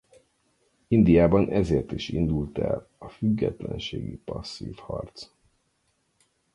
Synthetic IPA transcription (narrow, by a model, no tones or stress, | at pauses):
ind̪ijaːbɒnʔɛzeːrt̪iʃind̪ult̪ɛlɒfyɡːɛt̪lɛnʃeːɡipɒsːḭːfhɒrt̪s